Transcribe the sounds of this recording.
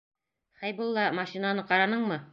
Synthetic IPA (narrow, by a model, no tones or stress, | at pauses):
χæjbɤlˠːɑmɑʃinanɤqɑɾɑnɤɴmɤ